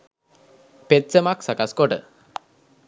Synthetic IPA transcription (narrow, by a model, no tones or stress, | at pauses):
pet̪səmaksakaskoʈə̰